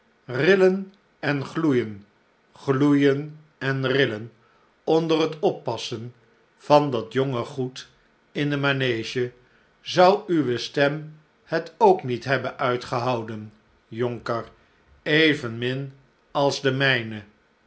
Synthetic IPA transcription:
rɪlən | ɛnχlujən | χlujən | ɛnrɪlən | ɔndərɦətɔpːɑsən | v̥ɑndɑtjɔŋəχut | ɪndəmanejʒə | zʌwyʋəstɛm | hətowknitɦɛbənʔœɥtχəɦɑwdən | jɔŋkər | ejvənmɪn | ɑlˠzdəmɛjnə

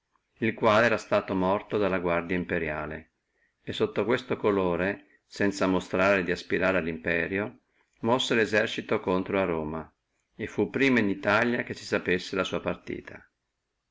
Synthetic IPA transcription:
ilkwaːleɛːɾast̪aːt̪omɔrt̪od̪alːaɡward̪jaimpeɾja̰ːlḛ | esːot̪ːokwest̪okoloːɾe | sɛnt̪samost̪ɾaːɾed̪iaspiɾaːɾealːimpɛːɾjo | mɔsːelezɛrt͡ʃit̪okont̪ɾoaroːma | efːupːɾiːmainit̪aljak̟esi̥sapesːelasuːapart̪ḭːt̪ʰa

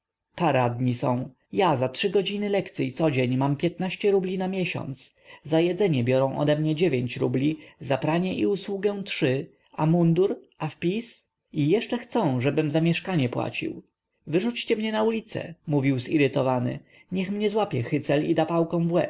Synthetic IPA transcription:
paɾad̪ɲisɔ̰̃w̃ | jazatʂɘɡɔd͡ʑinɘlɛkt̪siit̪sɔd͡ʑeɲmampʲjɛt̪naɕt͡ɕɛɾublʲinamʲjɛɕɔ̰nt̪szajɛd̪zɛɲɛbʲjɔɾɔ̃w̃ʔɔ̰d̪ɛmɲɛd͡ʑevʲjeɲt͡ɕɾṵblʲizapɾaɲɛʔḭuswuɡɛw̃tʂɘ | amund̪uɾʔafpʲis | ijɛʂt͡ʂɛxt̪sɔ̃w̃ʐɛbɘmzamʲjɛʂkaɲɛpwa̰t͡ɕḭw | vɘʐut͡ɕt͡ɕɛmɲɛnaulʲit̪sɛ̰muvʲiwzḭɾɘt̪ɔvanɘ̰ | ɲɛxmɲɛzwapʲjɛxɘt̪sɛlḭd̪apawkɔ̃w̃vwɛ

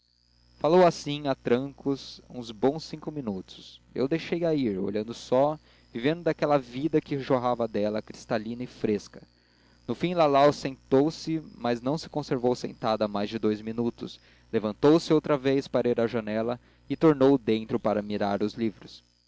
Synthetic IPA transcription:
falowasĩat̪ɾɐ̃kʊzṵ̃zbõw̃sːĩŋkʊminut̪ʊ̥sḛwd̪ejʃejaiɾo̰ʎɐ̃nd̪ʊsɔ | vivẽnd̪ʊd̪akɛlɐvid̪ɐkɪʒoɦavɐd̪ɛlɐkɾist̪alĩnɐɪfɾeskɐ̥ | nʊfĩlalawsẽnt̪owsɪmɐznɐ̃w̃sɪ̥kõseɾvowsḛ̃nt̪ad̪ɐamajzd͡ʒɪd̪ojzminut̪ʊs | levɐ̃nt̪owsɪowt̪ɾɐvejspaɾɐiɾɐʒɐnɛlɐ | ɪt̪oɾnowd̪ẽnt̪ɾʊpaɾɐmiɾaɾʊzlivɾʊs

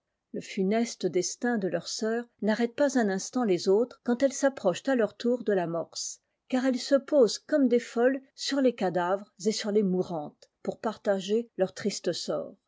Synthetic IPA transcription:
ləfynɛst̪əd̪ɛst̪ɛ̃d̪əlœʁsœːʁnaʁɛt̪̚pazɛ̃nɛ̃st̪ɑ̃lezot̪χkɑ̃t̪ɛlsapχɔʃt̪alœʁt̪uːʁd̪əlamɔʁs | kaʁɛlsəpozkɔmd̪efɔlsyʁlekad̪avʁzesyʁlemuʁɑ̃t̪puʁpaʁt̪aʒelœʁt̪χist̪əsɔ̰ːʁ

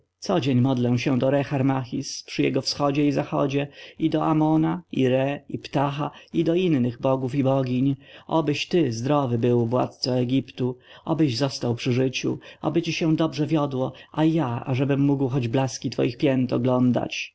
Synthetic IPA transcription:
t̪sɔd͡ʑeɲmɔd̪lɛw̃ɕɛd̪ɔɾɛxaɾmaxʲispʂɘjɛ̰ɡɔfsxɔd͡ʑɛizaxɔ̰d͡ʑɛid̪ɔʔamɔnaiɾɛipt̪axaid̪ɔinːɘɣbɔɡufibɔɡʲiɲʔɔbɘɕt̪ɘzd̪ɾɔvɘbɘwvwa̰t̪̚t̪sɔɛɡʲipt̪uɔ̰bɘʑzɔst̪awpʂɘʐɘt͡ɕṵɔ̰bɘt͡ɕiɕɛd̪ɔbʐɛvʲjɔd̪wɔajaa̰ʐɛbɘmːuɡwxɔd͡ʑblaskʲit̪fɔ̰jixpʲjɛnt̪ɔɡlɔnd̪a̰t͡ɕ

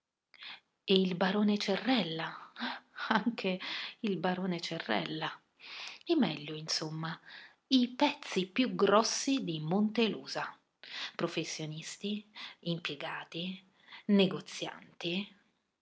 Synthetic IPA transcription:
eilbaɾoːnet͡ʃerːɛlːa | aŋkʰeilbaɾoːnet͡ʃerːɛ̰lːa | imɛʎːʊinsomːa | ipɛt̪sːipjuɡɾɔsːid̪imont̪eluːza | pɾofesːjonist̪iimpjeɡaːt̪i | neɡot̪sːja̰nt̪i

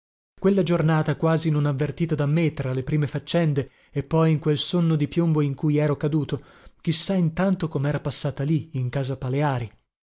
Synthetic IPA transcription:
kwelːad͡ʒornaːt̪akwaːzinonavːert̪iːt̪ad̪amːet̪ɾalepɾiːmefat͡ʃːɛnd̪e | epːɔjiŋkwelsonːod̪ipjomboiŋkujɛːɾokad̪uːt̪o | k̟isːaint̪ant̪okomeɛːɾapasːaːt̪aliiŋkaːzapaleaːɾi

